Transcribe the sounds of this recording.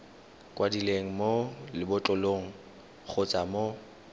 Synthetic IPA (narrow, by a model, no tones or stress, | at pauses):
kʼwadileŋ̩molɪbʊt͡ɬʼʊloŋ̩ | χʰʊt͡sʼamo